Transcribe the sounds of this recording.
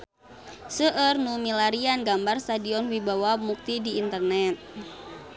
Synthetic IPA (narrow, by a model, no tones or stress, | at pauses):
səʔərnumilaɾianɡambarst̪adiɔnwibawamuk̚t̪idiːnt̪ərnɛt̪̚